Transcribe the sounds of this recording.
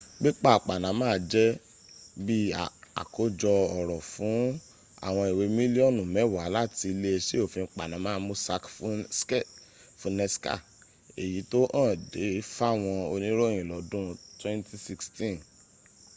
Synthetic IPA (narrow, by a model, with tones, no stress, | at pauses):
ɡ͡bi˦k͡pa˦˨k͡pa˨nã˨˦mãː˦˨d͡ʒɛ˦ | bi˦a˨a̰˨ko˨˦d͡ʒɔ˧ɔ˨ɾɔ˨fũ˨˦ | a̰˦˨w̃ɔ̃˧i˨we˨˧mĩ˦li˦ɔ˦˨nũ˨mɛ̃˨˦˨wa˨˦la˦ti˧le˦e˧ʃe˦o˦˨fĩ˧˦k͡pa˨nã˨˦mãː˦˧˦mõ˦sa˧kfs | fũ˨˦nɛ˧ska̰˦˨ | e˨ji˨˦to˦ʔã˦˨de˨˦fa˦˨w̃ɔ̃˧o˧nĩ˦ɾo˦˨j̃ĩ˨lɔ˨˦dũ˦twɛ̃˦nti˦si˧kstĩ˦˨n